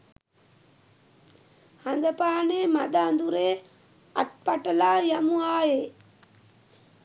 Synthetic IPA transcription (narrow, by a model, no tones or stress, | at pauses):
hand̪ɐpaːneːmad̪aːnd̪uɾeː | at̪̚paʈɐlaːjamuaːjeː